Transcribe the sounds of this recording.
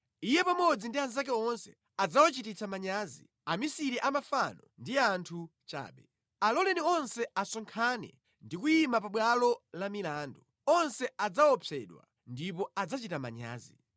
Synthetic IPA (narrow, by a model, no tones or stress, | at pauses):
ijɛpamɔd͡zindianz̬ak̬ɛɔnsɛ | ad͡zawɔt͡ʃitit͡sʰamaɲaːzḭ | amisiɾiʔamafanɔndiantʰut͡ʃa̰ːɓɛ | alɔlɛniɔnsɛasɔŋkʰanɛ̰ | ndikujimapaɓwalɔlamilaːndɔ | ɔnsɛad͡zawɔpʰɛɗwa̰ | ndip̬ɔad͡zat͡ʃitama̰ɲa̰ːzi